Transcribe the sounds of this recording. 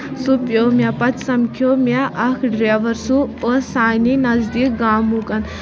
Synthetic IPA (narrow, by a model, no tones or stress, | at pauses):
supjomʲjapɐt͡ʃsɐmkʰjomʲaʔɐkʰɖɾeʋɐɾsuosaːjninɐzd̪ik̚ɡaːmukɐn